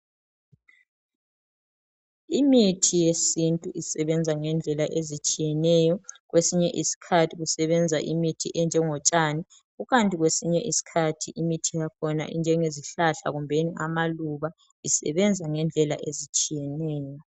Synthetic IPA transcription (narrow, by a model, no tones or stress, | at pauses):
imitʰijesintʼuʔisɛβɛnd͡zʱaŋɛnd͡ɮʱɛlaʔezit͡ʃʼijɛnɛjɔɣwʔesiɲɛʔisi̥kʰatʰiɣusɛβɛnd͡zʱaʔimitʰḭʔɛnd͡ʒʱɛŋɔt͡ʃʼaːni | ɣuɣantʼiɣwesiɲɛʔisi̥kʰatʰiʔimitʰijakʰɔna̰ʔḭnd͡ʒʱɛŋeziɬaɬa̰ɣumbʱeniʔamaluβa | isɛ̰βɛnd͡zʱaŋɛnd͡ɮʱɛla̰ʔezit͡ʃʼijɛnɛːjɔ